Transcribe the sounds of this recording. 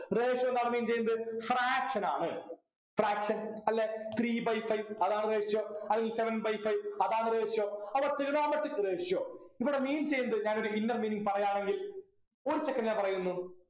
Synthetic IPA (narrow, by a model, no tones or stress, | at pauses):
reːʂjoend̪aːɳɨmiːnt͡ɕe̞jːnːɐðɨfraːkʂɐnaːɳɨ | fraːkʂɐnɐlːet̪riːbɐjfɐjʋɐðaːɳɨreːʂjoːɐðiŋɡilse̞ʋɐnbɐjfɐjʋɐðaːɳɨreːʂjoːɐʋɐrt̪ːiɾnoːmɐʈːikreːʂjoːipːɐɽemiːnt͡ɕe̞junɐðɨɲaːno̞ɾuinːɐrmiːniŋɡpɐrɐjaːɳe̞ŋɡil | oɾit͡ɕːekːɐnʲːaːpɐrɐjunːu